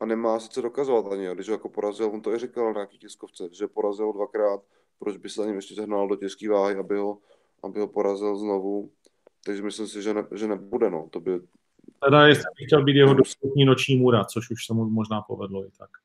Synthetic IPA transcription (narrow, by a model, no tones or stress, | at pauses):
ʔanɛmaːsɪ̥t͡sɛdo̞kazovat̪ʔaɲɪjoɡdɪʃɦojakopoɾazɪlvont̪oɪrɪkalɲaakiːcɛskoft͡sɛʒɛpoɾazɪlodvakɾaːt̪̚ | pɾod͡ʒbɪsɛzaɲɛmjɛʃcɛzɛɦɾnaldo̞cɛskiːvaːɦɪabɪɦo̞ | ʔa̰bɪɦo̞poɾazɪlznovu | t̪aɡʒɛmɪslɪmsɪʒɛnɛʒɛnɛbudɛno̰ːt̪obɪ | t̪ɛdajɛst̪ɛbɪxcɛlbiːt̪jɛɦodost̪upɲiːnot͡ʃɲiːmuɾat͡soʃuʃsɛmumoʒnaːpovɛdloɪt̪ʰak